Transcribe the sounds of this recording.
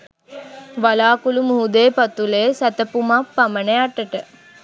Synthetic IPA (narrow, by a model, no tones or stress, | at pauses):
ʋalaːkulumuɦud̪eːpat̪uleːsæt̪əpumapːamənejaʈːəʈə